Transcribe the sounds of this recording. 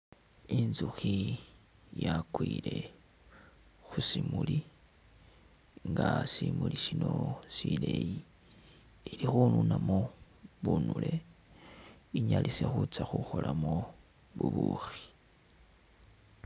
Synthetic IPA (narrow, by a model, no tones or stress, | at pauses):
inzuxi | jakwiːle̞ | xusimuli | ŋɡasimuliʃino̞sileji | ilixununamo | βunulʔe̞ | iɲalisexut͡saxuxo̞lʔamo | βuβuxi̥